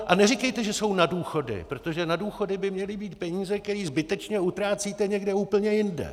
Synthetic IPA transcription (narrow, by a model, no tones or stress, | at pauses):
ʔanɛrikɛjt̪ɛʒɛso̞wnaduːxo̞dɪ̰pɾo̞t̪o̞ʒɛnaduːxo̞dɪbɪmɲɛlɪbiːt̪̚pɛɲiːzɛkkt̪ɛɾiːzbɪt̪ɛt͡ʃɲɛut̪ɾaːt͡siːt̪ɛɲɛɡdɛuːpl̩ɲɛjɪndɛ̰